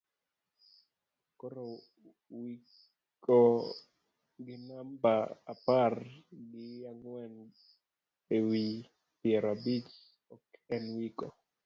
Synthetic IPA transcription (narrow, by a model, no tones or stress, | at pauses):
kɔɾɔ | wi | kɔ | ɡinambaaparɡijaŋwɛn | ewi | piɛɾabit͡ʃ | ɔkɛnwikɔ